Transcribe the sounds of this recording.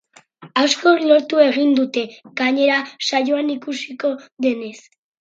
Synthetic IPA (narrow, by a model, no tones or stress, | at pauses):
asko̞lo̞ɾt̪ue̞ɣ̞ind̪ut̪e̞ɣ̥aɲe̞ɾasajoanikusiko̞ðe̞ne̞s